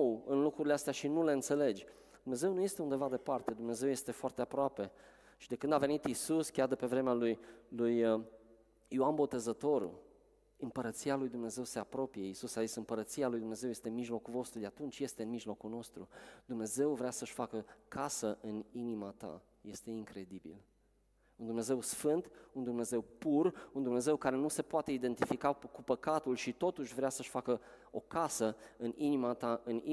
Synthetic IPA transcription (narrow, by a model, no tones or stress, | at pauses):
ɨnlukɾuɾileast̪eaʃinule̞ɨnt̪se̞le̞d͡ʒʲ | d̪umne̞ze̞wnuje̞st̪e̞und̪e̞vad̪e̞part̪e̞d̪umne̞ze̞wje̞st̪e̞foart̪e̞apɾoape̞ | ʃid̪e̞kɨnd̪ave̞nit̪isuskʲjard̪e̞pe̞vɾe̞mealujluj | oanbo̞t̪e̞zət̪o̞ɾṵ | ɨmpəɾət̪sialujd̪umne̞ze̞wse̞apɾo̞pije̞isusazisɨmpəɾət̪sialujd̪umne̞ze̞wje̞st̪e̞nmiʒlo̞kuvo̞st̪ɾud̪e̞at̪unt͡ʃʲje̞st̪eɨnmiʒlo̞kuno̞st̪ɾud̪̥umne̞ze̞wvɾeasəʃʲfakəkʰasəʔɨninimat̪a̰ | je̞st̪e̞iŋkɾe̞d̪ibḭl | und̪umne̞ze̞wsfɨnt̪und̪umne̞ze̞wpurund̪umne̞ze̞wkaɾe̞nuse̞poat̪e̞id̪e̞nt̪ifikakupəkat̪ulʃit̪o̞t̪uʃʲvɾeasəʃʲfakə | o̞kasəɨninimat̪aʔɨn